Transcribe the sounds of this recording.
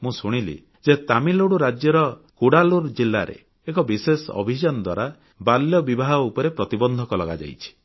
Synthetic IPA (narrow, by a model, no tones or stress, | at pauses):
mũsuɽ̃ilḭ | d͡ʒet̪amiloɽuɾad͡ʒjɔɾɔkuɽaluɾd͡ʒilːaɾḛ | ekɔbisesɔɔ̰bʱid͡ʒɔnɔd̪wa̰ɾa | baljɔbibaɦɔupɔɾepɾɔt̪ibɔnd̪ʱɔkɔlɔɡad͡ʒa̰jt͡ʃʰi̥